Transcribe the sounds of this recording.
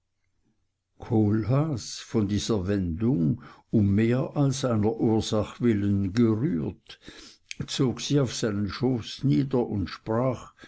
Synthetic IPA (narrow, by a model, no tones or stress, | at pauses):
kʰoːlɦasfɔndiːzɐvɛndʊŋʊmːeːɐʔalszaɪnɐʔuːɐz̥aχvɪlənɡəʁyːt | t͡soːɡsiːaʊfsaɪnənʃoːsniːdɐʔʊntʃpʁaːχ